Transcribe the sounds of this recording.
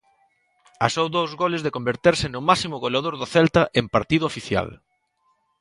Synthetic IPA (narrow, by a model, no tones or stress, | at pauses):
asowðowzɣolɪzðɪkombeɾt̪eɾsɪnʊmasimʊɣolaðoɾðʊθɛlt̪ɐʔempaɾt̪iðʊofiθja̰l